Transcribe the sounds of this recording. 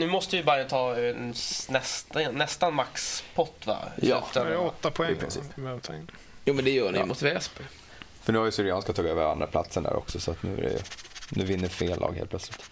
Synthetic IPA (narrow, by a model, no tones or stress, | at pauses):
nʉ̟ːmɔst̪əjəbaɾət̪ʰɑːɛnnɛst̪ɛːɛst̪anmakspʰɔt̪ːva̰jʉft̪əɔt̪ːapʰɔɛpɾɪsivɛt̪ʰɑ̰ | juːmɛnd̪ɛjœːɳɪmʊt̪vɛspɛ | fœɳʉ̟ːhaɾjəsʏɾɪɑːnskat̪ʰɑːɡøːvəɾa̰nd̪ɾapʰlat̪səɳdæ̰ɾɔ̰ksɔsɔat̪nʉ̟ːæ̰ɾɛ̰jɵ̰nʉ̟ːvɪnːəɾfeːlːʔɑ̰ːɡhḛːplœt̪slɪt̪